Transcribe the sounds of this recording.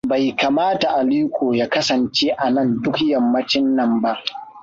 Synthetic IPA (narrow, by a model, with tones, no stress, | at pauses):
ba˨jka˨maː˦ta˨ʔa˨liː˦kʷoː˨jaː˦kɐ˦sɐ˨nt͡ʃeː˦ʔa˨nɐ˦˨ndʊ˦kjɐ˨mːɐ˦t͡ʃɪ˦nːɐ˦˨mba˦ʔ